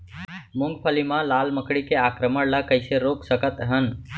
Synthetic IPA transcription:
mʊŋɡpʰəlimãlaːlməkɽikeaːkɾəməɽləkəɪseɾoːksəkət̪ɦən

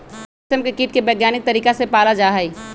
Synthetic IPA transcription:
əmkekiːʈ̚kebɛːɡjaːnɪk̚t̪ɐɾiːkasepaːlad͡ʒaːɦai

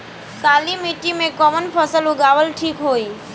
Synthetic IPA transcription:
saːlimiʈimẽkɔːmənpʰəsəluɡaːʋəlʈʰiːkɦoːiː

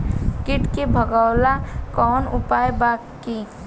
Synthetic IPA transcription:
kɪʈkebʱəɡəwlakɔːnʊpaːjba | ki

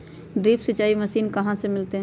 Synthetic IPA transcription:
ɖɾiːpsət͡ʃaːiməsiːnkɐɦãsemɪlt̪eɦɛ̃

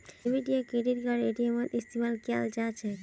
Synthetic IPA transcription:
miɖiokiɖiɾkɔɾeeʈiemonist̪imalka̰ld͡ʑat͡ɕʰe

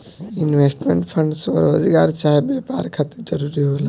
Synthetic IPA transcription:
ɪnʋeːsʈmḛ̃ːɳʈpʰə̃ɳɖsɐɾoːzɡaːɾt͡ʃaːɦebeːpa̰ːɾkʰɐt̪d͡ʒɐɾuːɾiɦoːlaː

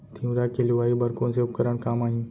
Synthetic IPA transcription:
t̪ʰĩũɾakeliʋaːibəɾkõnsepkəɾəɳ̃kaːmaːɦĩː

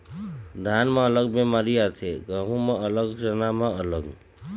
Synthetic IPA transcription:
d̪ʱaːnmẽələɡbemaːɾijat̪ʰeɡəɦũmẽələɡʃənamẽələɡ

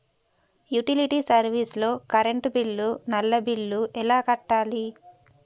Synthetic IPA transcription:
juʈiliʈiːsɐɾʋiːslo̞ːkɐɾeɳʈbilːunɐlːɐbilːuʔɛlaːkɐʈːaːli

